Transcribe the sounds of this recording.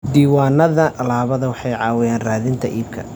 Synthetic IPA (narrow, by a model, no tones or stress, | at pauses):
d̪iːwaːnɐðɐʔɐlaːβɐðɐwɑħɑjʕɑːwɪjaːnraːðɪnt̪ʰɐʔiːb̚kʰɐ̰